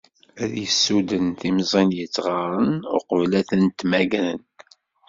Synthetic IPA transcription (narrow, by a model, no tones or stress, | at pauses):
æðjəsːud̪ənθimzˤinjət͡sːʁɑɾˤənʊqəvlæθənt̪mæɡɾən